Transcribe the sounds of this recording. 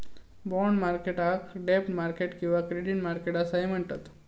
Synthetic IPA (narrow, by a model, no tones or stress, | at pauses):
bɔɳɖmaɾkeʈakɖep̚ʈmaɾkeʈkĩw̃ʋakɾiɽinmaɾkeʈasaɦem̤əɳt̪at̪